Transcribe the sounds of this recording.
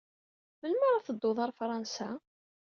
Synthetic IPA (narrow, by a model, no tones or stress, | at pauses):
məlməɾˤaθəd̪ˤːoðˤɑɾˤfɾˤɑnsa